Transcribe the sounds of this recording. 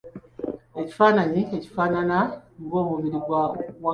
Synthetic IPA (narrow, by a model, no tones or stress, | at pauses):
e̞ci̥faːnaɲieci̥faːnanaŋɡo̞ːmumiɾiɡwawa